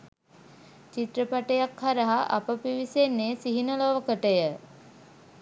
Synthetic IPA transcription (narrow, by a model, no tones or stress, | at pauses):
t͡ʃit̪ɾəpaʈəjakhaɾəɦaʔa̰pəpiʋisenːeːsiɦinəloʋəkəʈəjə